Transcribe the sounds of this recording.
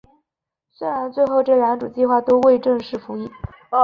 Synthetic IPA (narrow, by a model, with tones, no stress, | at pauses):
swe˥ɪɻa˧˥nt͡swe˥˧ɪxo˥˧ʊʈ͡ʂɤ˥˩ɻa˧˥nʈ͡ʂu˨˩t͡ɕi˥˧xwa˥˩t̪o˥ʊwe˥˧ɪʈ͡ʂɤ˥˧ŋʂɻ̩˥˩fu˧˥i˥˩